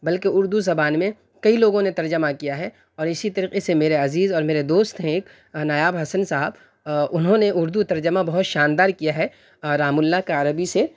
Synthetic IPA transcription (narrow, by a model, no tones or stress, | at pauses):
bɐlkeʊɾd̪uzɐbaːnmẽ | kɐiloːɡõnet̪ɐɾd͡ʒəmakijaɦɛ | ɔːɾɪsit̪ɐɾiːqesemeːɾeɐziːzɔːɾmeːɾed̪oːst̪ɦɛ̃eːk | naːjaːbɦɐsənsaɦəb | ʊnɦõneʔʊɾd̪ut̪ɐɾd͡ʒəmabɐɦʊt̪ʃaːnd̪aːɾkijaɦɛ | ɾaːmʊlːakaəɾəbise